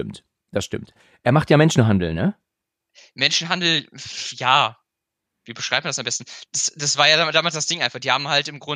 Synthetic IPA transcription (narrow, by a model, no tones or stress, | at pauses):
ɪmt | d̥asʃtɪmt | ʔeːɐmaχtjaːmɛnʃn̩ɦandl̩nə | mɛnʃn̩ɦandl̩jaː | viːbəʃʁ̥aɪp̚man̥dasambɛstn̩d̥asd̥asv̥aːɐjaːdadaːmalsd̥asd̥ɪŋʔaɪnfaχd̥iːhaːbm̩haltɪmɡʁʊ